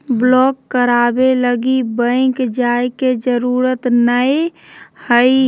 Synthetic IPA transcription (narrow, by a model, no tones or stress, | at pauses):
blɔːkːəɾabeləɡibə̃ɪ̃kd͡ʒaeked͡ʒəɾuːɾət̪nəehəi